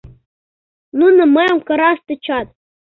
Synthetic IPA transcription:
nunɤ̆mɤjŏmkɤ̆ɾɑst̪ɤ̆t͡ɕɑt̪̚

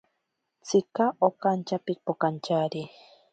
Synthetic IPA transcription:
t͡sikaʔokant͡ʃapik̚pokant͡ʃaɾi

